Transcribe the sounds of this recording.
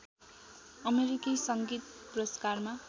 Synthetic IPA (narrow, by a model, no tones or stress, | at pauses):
ʌmeɾikisʌŋɡit̪̚prʌskarma